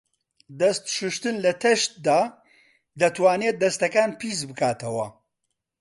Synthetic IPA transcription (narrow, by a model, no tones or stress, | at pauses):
d̪ɐst̪ʃɨʃt̪ɨnlɐt̪ʰɐʃt̪̚d̪aː | d̪ɐt̪waːnet̪̚d̪ɐst̪ɐkaːnpiːzbɨkaːt̪ʰɐwɐ